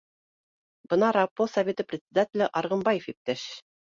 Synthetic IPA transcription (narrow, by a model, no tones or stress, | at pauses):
b̥ɤ̆nɑɾɑpːosɐvʲet̪ɤprʲɪt̪sʲɪd̪atʲɪlʲɘʔɑɾʁɤ̆mbɑjefip̚t̪æʃ